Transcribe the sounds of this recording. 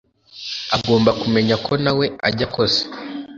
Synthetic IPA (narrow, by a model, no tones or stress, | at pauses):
aɡo̞ːmbakume̞ɲakʰo̞nawe̞a̰ɟako̞se̥